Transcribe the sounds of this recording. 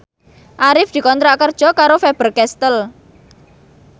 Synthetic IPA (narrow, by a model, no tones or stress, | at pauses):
ʔaɾɪfd̪̥i̤kɔnt̪ɾaʔkərd̥ʒ̥ɔ̤kaɾofɛb̥ərkɛst̪əl